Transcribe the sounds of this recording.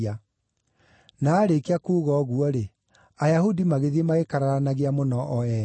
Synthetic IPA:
a | naːɾekeakuːɣɔɣuɔɾe | ajahudimaɣeðemaekaɾaɾanaɣeamonɔʔɔɛ

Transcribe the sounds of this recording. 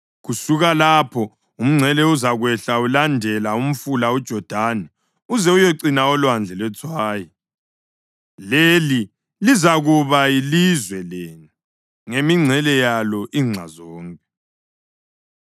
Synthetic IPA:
ɣusuɣalapʰɔ | um̩ŋ͡ǀʱɛlɛuzaɣwɛɬaulandʱɛlaum̩fulaud̥ʒ̥ʱɔd̥ʱanɛ | uzɛujɛǀinaɔlwand͡ɮʱɛlɛt͡sʰwaːjɔ | leli | lizaɣuβailizwɛlɛːni | ŋemiŋ͡ǀʱɛlɛjalɔʔiŋ͡ǀʱa̰zɔːŋkʼɛ

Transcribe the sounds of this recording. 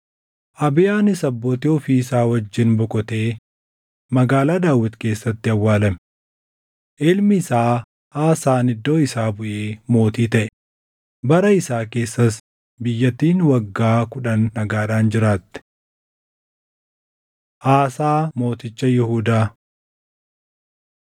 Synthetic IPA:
ʔɐbɪjaːnɪsɐbːɔːt̪ɪɔfiɪsaːwɐd͡ʒːɪnbʊkʼɔt̪e̞ː | mɐɡaːlaːd̪aːwːɪt̪ke̞ːsːɐt̪ːɪɐwːaːlɐm | ʔɪlmɪːsaː | ʔaːsaːnɪd̪ːo̞ːɪsaːbʊʔeːmo̞ːt̪iːt̪ɐʔɛ | bɐɾɐɪsaːke̞ːsːɐs | bɪjːɐt̪ːiːnwɐɡːaːkʊᶑɐnːɐɡaːᶑaːnd͡ʒɪɾaːt̪ːɛ̥ | ʔaːsaːmo̞ːt̪ɪt͡ʃːɐjɪɦuːd̪aː

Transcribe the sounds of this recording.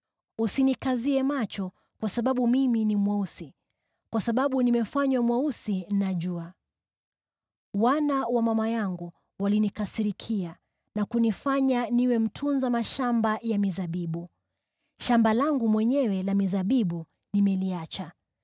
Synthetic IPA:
usinikaziɛmat͡ʃɔ | kwasaɓaɓumiminimwausi | kwasaɓaɓunimɛfaɲwamwausin̩naʄua | wanawamamajaŋɡu | walinikasiɾikʰia | nakunifaɲaniwɛm̩tʰunzamaʃambajamizaɓiɓu | ʃambalaŋɡumwɛɲɛwɛlamizaɓiɓu | nimɛliat͡ʃa

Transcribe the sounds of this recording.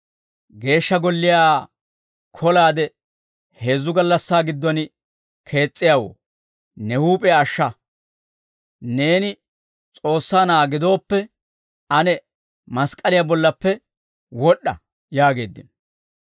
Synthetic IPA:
ɡe̞ːʃːɐɡɔlːɪjaː | kʰɔlaːd̪ɛ | he̞ːzːʊɡɐlːɐsːaːɡɪd̪ːɔnɪ | kʰe̞ːt͡sʼːɪjawo̰ | nɛhuːpʼɛːʃːɐ | ne̞ːnɪ | t͡sʼo̞ːsːaːnaːɡɪd̪o̞ːpːɛ | ɐnɛ | mɐskʼɐlɪjabɔlːɐpːɛ | wɔɗːɐ̰ | jaːɡe̞ːd̪ːɪnɔ

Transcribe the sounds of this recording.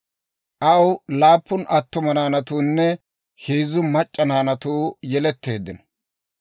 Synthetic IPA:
ʔɐwlaːpːʊnʔɐt̪ːʊmɐnaːnɐt̪uːnːɛ | heːzʊmɐt͡ʃʼːɐnaːnɐt̪uːjɛlɛt̪ːe̞ːd̪ːɪnɔ

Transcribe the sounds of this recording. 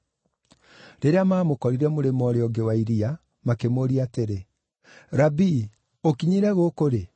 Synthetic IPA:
ɾeɾeamaːmokɔɾiɾɛmoɾemɔɾeɔɡewaiɾia | makemoɾiateɾe | ɾabi | okiɲiɾɛɣokoɾe

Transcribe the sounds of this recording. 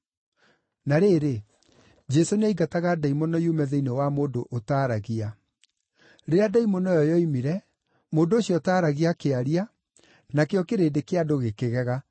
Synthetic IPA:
naɾeːɾe | d͡ʒɛsonaiɡataɣadaimɔnɔjumɛðɛinewamoːndoʔotaːɾaɣia | ɾeadaimɔnɔjɔjɔimiɾɛ | moːndooɕjɔtaːɾaɣiakeaɾia | nakeɔkeɾeːdekeadoɣekeɣɛɣa

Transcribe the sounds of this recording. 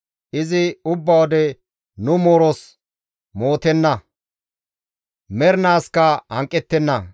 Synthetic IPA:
ʔɪzɪʊbːɐwɔd̪ɛ | nʊmoːɾos | mo̞ːt̪ɛnːɐ | mɛɾnaːskɐhɐŋkʼːɛt̪ːɛnːɐ

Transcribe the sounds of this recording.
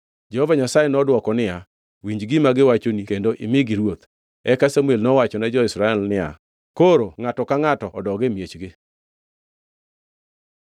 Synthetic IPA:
d͡ʒɛhovaɲasajɛnɔdwɔkɔnɪa | wiɲd͡ʒɡɪmaɡɪwat͡ʃonikendoʔɪmɪɡɪɾwot̪ | ɛkasamuelnɔwat͡ʃɔnad͡ʒɔɪsɾaɛlnɪja̰ | koɾoŋatɔkaŋatɔːdɔɡɪmjet͡ʃɡɪ

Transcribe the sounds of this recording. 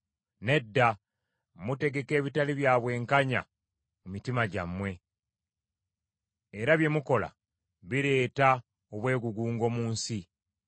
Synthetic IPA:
ne̞dːa | mute̞ɡe̞ke̞ːβitaliβjaːβwe̞ːŋkaɲa̰ | mumitimaɟamːwe̞ | eɾaβje̞muko̞la̰ | βiɾe̞ːta | oβwe̞ːɡuɡuːŋɡo̞muːnsi

